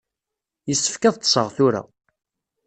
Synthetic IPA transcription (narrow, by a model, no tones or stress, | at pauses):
jəsːə̥fkæðt̪ˤːsˤəʁθʊɾa̰